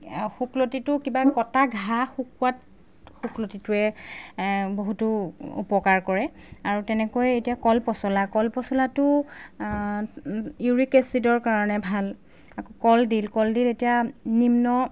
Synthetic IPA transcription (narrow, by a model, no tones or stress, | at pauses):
xuklotitʊkibakɔtaɡʱaxukuwat | xuklotitʊɛ | boɦutʊṵpɔkaɹkɔɹɛ | aɹutɛnɛkojɛetijakɔlpɔsɔlakɔlpɔsɔlatʊ | juɹikesidɔɹkaɹɔnɛbʱal | akɔkɔldilkɔldiletijanimnɔ